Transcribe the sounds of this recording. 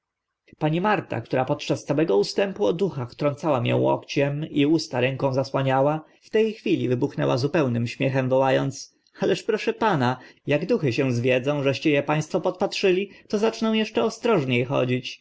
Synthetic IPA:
paɲimaɾt̪a̰kt̪uɾapɔt̪t͡ʂast̪sawɛɡɔust̪ɛmpuɔd̪uxaxt̪ɾɔnt̪sawamjɛ̰̃w̃ɔ̰kt͡ɕɛmiust̪aɾɛŋkɔ̃w̃zaswaɲawa | ft̪ɛjxfʲilʲivɘbuxnɛ̰wa̰zupɛwnɘmɕmʲjɛxɛmvɔwajɔnt̪s | alɛʂpɾɔʂɛpanajaɡd̪uxɘɕɛ̃w̃zvʲjɛd̪zɔ̃w̃ʐɛɕt͡ɕɛjɛpaj̃st̪fɔpɔt̪̚patʂɘlʲit̪ɔzat͡ʂnɔ̃w̃jɛʂt͡ʂɛɔst̪ɾɔʐɲejxɔ̰d͡ʑit͡ɕ

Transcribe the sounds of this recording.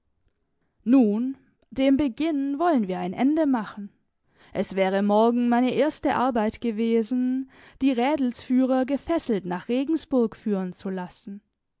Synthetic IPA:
nuːn | d̥eːmbəɡɪnvɔlənviːɐaɪnʔɛ̰ndəmaχn̩ | ʔɛsv̥ɛːʁ̞əmɔɐɡŋ̩maɪnəʔeːɐstəʔa̰ɐbaɪtɡ̥əveːzn̩ | d̥iːʁɛːdl̩sfyːʁ̞ɐɡəfɛsl̩tnaːχʁ̥eːɡŋ̩sb̥ʊɐkfyːʁənt͡sulasn̩

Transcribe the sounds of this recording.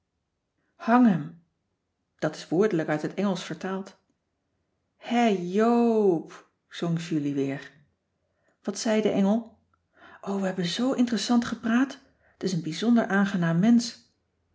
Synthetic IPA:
hɑŋɦɛm | d̥ɑtɪ̥sʋʊːɹdələkœɥtɦətɛŋəlˠsfəɹtaːlˠt | hɛjowp | z̥ɔŋʒyliʋɪːɹ | ʋɑtsɛjdəʔɛŋəlˠ | ʔowʋəɦɛbənzowʔɪntrəsɑntχəpraːt | ətɪsənbizɔndəɹʔaːnχənaːmːɛns

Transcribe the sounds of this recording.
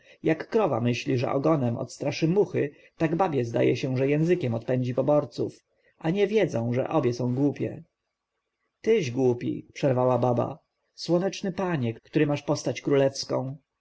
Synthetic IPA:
jakːɾɔva̰mɘɕlʲiʐɛ̰ʔɔ̰ɡɔnɛmɔ̰t̪st̪ɾaʂɘmuxɘ | t̪aɡbabʲjɛzd̪a̰jɛɕɛʐɛjɛ̃w̃zɘkʲɛmɔt̪̚pɛɲd͡ʑipɔbɔɾt̪suf | ʔaɲɛvʲjɛd̪zɔ̃w̃ʐɛ̰ʔɔbʲjɛsɔ̃w̃ɡwupʲjɛ̰ | t̪ɘʑɡwupʲḭpʂɛɾvawababa̰ | swɔnɛt͡ʂnɘpaɲɛkkt̪uɾɘmaʂpɔst̪at͡ɕkɾulɛfskɔ̃w̃

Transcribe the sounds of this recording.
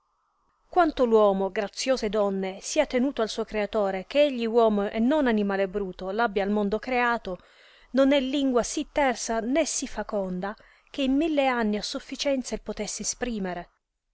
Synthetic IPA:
kwant̪olwɔːmoɡɾat̪sːjoːzed̪ɔnːesiːat̪enuːt̪oalsuːokɾeat̪oːɾek̟eeʎːiwɔːmoʔɛnːonanimaːlebɾuːt̪olabːjaːlmond̪okɾeaːt̪o | nonɛlːiŋɡwasit̪ːɛrsanesifːakɔnd̪a | k̟eimːilːeanːiasːufːit͡ʃɛnt̪selpot̪ɛsːeespɾiːmeɾe

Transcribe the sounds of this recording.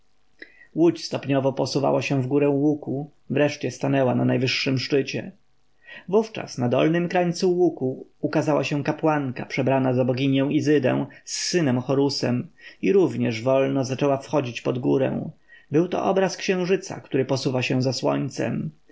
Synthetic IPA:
wut͡ɕst̪ɔpɲɔvɔpɔsuva̰waɕɛ̃vɡuɾɛ̃wuku | vɾɛʂt͡ɕɛst̪anɛwananajvɘʂːɘmʂt͡ʂɘt͡ɕɛ̰ | vuft͡ʂa̰snad̪ɔ̰lnɘmkɾaɲt̪suwukuːkazawaɕɛ̃kapwaŋkapʂɛbɾanazabɔɡʲiɲɛ̃w̃izɘd̪ɛ̰̃w̃sːɘnɛmxɔɾusɛmiɾuvɲɛʐvɔlnɔzat͡ʂɛwafxɔd͡ʑit͡ɕpɔd̪ɡuɾɛ̰̃w̃ | bɘwt̪ɔ̰ʔɔbɾaskɕɛ̃w̃ʐɘt̪sa̰kt̪uɾɘpɔsuvaɕɛ̃zaswɔ̰ɲt̪sɛ̰m

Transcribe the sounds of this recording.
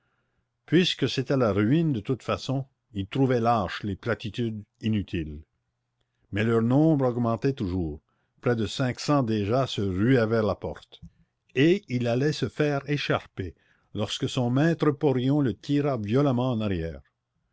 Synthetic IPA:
pɥiskəset̪ɛlaʁyind̪ət̪ut̪fasɔ̃ | ilt̪ʁuvɛlaːʃleplat̪it̪yd̪inyt̪ʰil | mɛlœʁnɔ̃ːbʁɔɡmɑ̃t̪ɛt̪uʒuːʁ | pʁɛd̪əsɛ̃ksɑ̃d̪eʒasəʁyɛvɛʁlapɔʁt̪ | eilalɛsəfɛʁeʃaʁpe | lɔʁskəsɔ̃mɛt̪ɾəpɔʁjɔ̃lət̪ʰiʁavjɔlamɑ̃ːnaʁjɛːʁ

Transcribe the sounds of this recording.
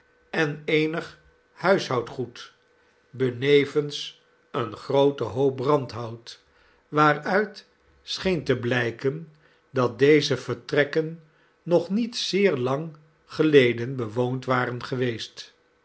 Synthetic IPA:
ɛnejnəχ | hœɥsɦɑwtχut | bənejvəns | ənχrowtəɦowp̚rɑntɦɑwt | ʋaːrœɥt | sχejntəblɛjkən | dɑt̚dejzəv̥əɹtrɛkənː | ɔχnitsɪːɹlɑŋ | χəlejdənbəʋowntʋaːrənχəʋejst

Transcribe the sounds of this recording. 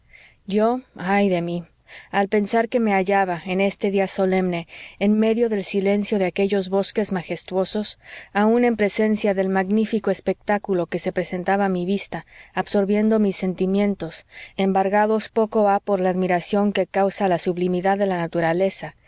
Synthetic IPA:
ɟ͡ʝo̞ajðe̞mi | alpe̞nsaɾke̞me̞aʝaβae̞ne̞st̪e̞ðiaso̞le̞mne̞ːnme̞ðjo̞ðe̞lsile̞nsjo̞ðe̞ake̞ʝo̞zβo̞ske̞zmaxe̞st̪wo̞so̞saũne̞mpɾe̞se̞nsjaðe̞lmaɣnifikoespek̚t̪akulo̞ke̞se̞pɾese̞nt̪aβaːmiβist̪aːβso̞ɾβje̞nd̪o̞misːe̞nt̪imjẽ̞nt̪o̞se̞mbaɾɣaðo̞spo̞ko̞apo̞ɾlaːðmiɾasjo̞ŋke̞kawsalasuβlimiðaðːe̞lanat̪uɾale̞sa

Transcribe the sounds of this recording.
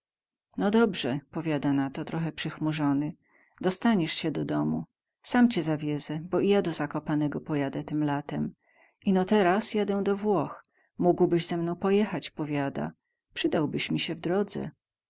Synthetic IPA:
nɔd̪ɔbʐɛpɔvʲjad̪anat̪ɔt̪ɾɔxɛpʂɘxmuʐɔnɘ | d̪ɔst̪aɲɛʂɕɛd̪ɔd̪ɔmu | samt͡ɕɛzavʲjɛzɛbɔijad̪ɔzakɔpanɛɡɔpɔjad̪ɛt̪ɘmlat̪ɛm | ʔinɔt̪ɛɾasjad̪ɛw̃d̪ɔvwɔx | muɡwbɘɕzɛmnɔ̃w̃pɔjɛxat͡ɕpɔvʲjad̪a̰ | pʂɘd̪awbɘɕmʲiɕɛvd̪ɾɔd̪zɛ̰

